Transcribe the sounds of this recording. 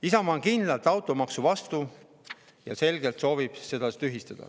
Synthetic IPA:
isɑmɑːŋkind̪lɑlt̪ːˑɑwt̪ːˑo̞mɑksuvɑst̪u | jɑse̞lɡelt̪so̞ːvib̥se̞d̪̥ɑst̪yɦist̪ɑd̪̥ɑ̰

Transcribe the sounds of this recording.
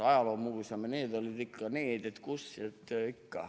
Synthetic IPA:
ɑjɑloːmuʋisɑmeneːd̪olʲid̪ikːɑneːd̪et̪kusːiet̪ikːɑ̰

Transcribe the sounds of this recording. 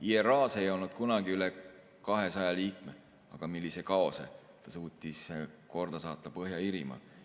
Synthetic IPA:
ieɾɑːse̞jo̞lnud̪̥kunɑɡ̥iyle | kɑɦesɑjɑliːkme | ɑɡ̥ɑmilːisekɑo̞sḛ | t̪ɑsuːt̪ʲˑːisko̞rd̪̥ɑsɑːt̪ˑːɑpɤɦjɑiɾimɑ̰

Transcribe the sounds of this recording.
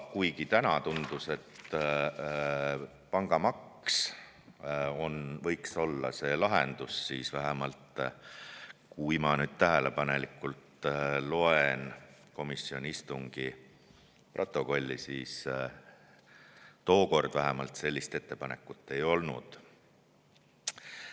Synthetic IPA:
kujɡit̪ænɑt̪und̪̥use̞t̪ː | pɑŋɡ̥ɑmɑks | o̞nvɤ̞jkso̞lːɑ̰se̞ːlɑɦend̪̥usːiːsvæɦemɑlt̪ | kuimɑnyːd̪̥̚t̪æɦele̞pɑne̞likːˑult̪lo̞enko̞misːio̞nʲist̪uŋɡ̥i | prʔo̞t̪ːˑo̞ko̞lʲːisiːs | t̪o̞ːko̞rd̪̥væɦɛmɑlt̪se̞lʲːist̪e̞t̪ːe̞pɑne̞kːˑut̪ːe̞jo̞lnṵd̪̥

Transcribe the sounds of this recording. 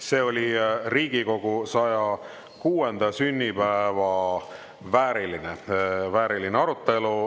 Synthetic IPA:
se̞ːo̞lʲiriːɡ̥iko̞ɡ̥usɑjɑ | kuːend̪ɑsynʲːipæevɑ | væːɾilinevæːɾilineɑɾut̪ːˑe̞lu

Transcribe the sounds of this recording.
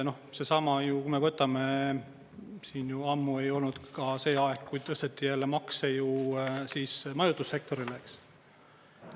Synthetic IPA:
no̞hse̞sɑmɑjukume̞vɤt̪ːˑɑme̞ | siːnjuɑmːue̞jo̞lnud̪̥kɑse̞ːɑekkːujd̪̚t̪ɤ̞st̪et̪ːijælːemɑksejusiːsmɑjut̪ːˑusːe̞k̚t̪o̞ɾileks

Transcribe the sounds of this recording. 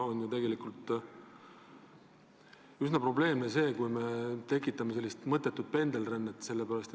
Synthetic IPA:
onjut̪e̞ɡe̞likˑult̪ | ysnɑpro̞ble̞ːmnese̞ːkujme̞t̪e̞kːˑit̪ːˑɑme̞se̞lːist̪mɤt̪ːˑe̞t̪ːˑud̪̥̚pe̞nd̪elrenːet̪ːse̞lːepæɾɑst̪

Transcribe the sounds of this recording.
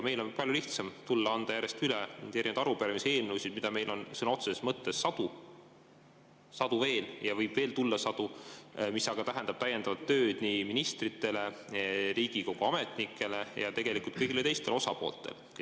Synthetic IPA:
me̞jlo̞npɑlʲjuliht̪sɑmt̪ulːɑɑnd̪ɑjæɾe̞st̪yled̪æɾind̪ɑɾupeɾɑmise̞ːlnuwsid̪mid̪ɑme̞jlʔo̞nsɯnɑo̞t̪sesesmɤt̪ːˑe̞sːɑd̪̥u | sɑd̪uve̞ːljɑvɤjb̥ve̞ːlt̪ulːɑsɑd̪umisɑɡ̥ɑt̪æɦend̪ɑb̥̚t̪æjend̪ɑvɑt̪ːø̞ːd̪̥niːminist̪rit̪ːˑe̞le̞ɾiːɡ̥iko̞ɡ̥oɑme̞t̪ˑnikʰːˑe̞le̞jɑ̰t̪e̞ɡe̞likult̪kɤjɡilet̪e̞jst̪e̞lo̞sɑpo̞̰ːlt̪ːˑe̞̰l

